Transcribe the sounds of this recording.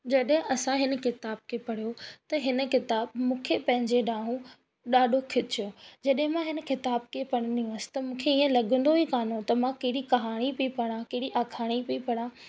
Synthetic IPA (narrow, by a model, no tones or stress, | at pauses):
d͡ʑɐɗɦɪ̃ʔɐsãɦɪnəkɪt̪aːb̚kʰepɐɽ̤ijot̪ɐɦɪnə̆kɪt̪aːbmũːkʰepɐ̃ɦɪ̃ɲd͡ʑeɗaːɦũ | ɗaːɗʱokʰɪt͡ɕjod͡ʑɐɗɦɪ̃mãɦɪnə̆kɪt̪aːbkʰepɐɽ̃əniũɐsɪ̥t̪ɐmũːkʰeiːə̃lɐɠə̃nd̪oɦikaːnõt̪ɐmãkɐɦɪɽikɐɦaːɽ̃ipiipɐɽ̃ãkɐɦɪɽiʔaːkʰaːɽ̃ipiipɐɽ̃ãː